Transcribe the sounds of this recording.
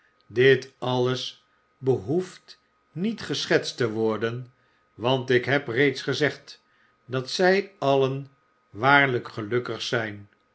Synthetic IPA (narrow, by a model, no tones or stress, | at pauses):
dɪtɑləs | bəɦuft | nitχəsχɛtstəʋɔɹdən | ʋɑntɪkɦɛprejtsχəzɛχt | dɑtsɛjɑlən | ʋaːɹləkχəlɵkəχsɛjn